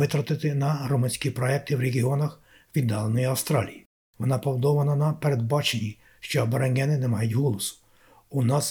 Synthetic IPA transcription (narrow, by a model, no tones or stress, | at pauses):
ɪt̪ɾɐt̪ɪt̪ɪnɐrɔmɪnʲsʲkʲipɾɔɛk̚t̪ɪwɾeɦʲiɔnɐx | ʋʲid̪ːɑlˠenɔjiɐwst̪ɾɑ̰lʲiji | ʋɔnɑpɔwd̪ɔʋɐnɐnɐpeɾed̪bɑt͡ʃenʲi | ʃt͡ʃɔbɔɾɐnʲɦɛnɪnɛmɑjʊtʲɦɔlˠɔsʊ̥ | unɑs